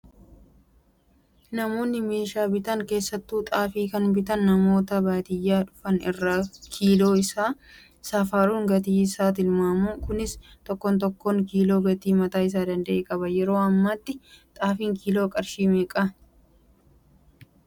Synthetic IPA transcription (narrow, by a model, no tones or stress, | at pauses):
nɐmo̞ːnːɪme̞ːʃaːbɪt̪ɐŋke̞ːsːɐt̪ːuːt̪ʼaːfiːkɐnbɪt̪ɐnːɐmo̞ːt̪ɐbaːt̪ɪjːaːᶑʊ̥fɐnɪrːakʰiːlo̞ːɪsaː | saːfaːɾuːŋɡɐt̪iːɪsaːt̪ɪnmaːmuːkʊnɪst̪ɔkːɔnt̪̬ɔkːoŋkiːlo̞ːɡɐt̪iːmɐt̪aːɪs̬aːd̪ɐnd̪ɐʔeːkʼɐbɐjɛɾo̞ːɐmːat̪ːɪt̪ʼaːfiːŋkiːloːkʼɐɾʃiːmeːkʼɐ